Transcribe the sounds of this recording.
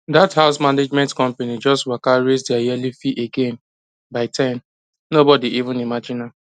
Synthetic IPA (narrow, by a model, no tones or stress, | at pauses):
dathaʊsmaned͡ʒmɛ̃ntkɔ̃mpenid͡ʒɔstwakaɹesdɛajɛlifiʔeɡẽn | baɪtʰãɪm | nobɔdiʔivũnimad͡ʒina